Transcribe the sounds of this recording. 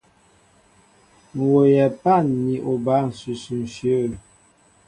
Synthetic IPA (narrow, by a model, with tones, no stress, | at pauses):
ŋ̩˨wo˨jɛ˨pa˦˨nːi˨ʔo˨ba˨˦n̩˨su˨sʉ˨n̩˨ʃjo˦˨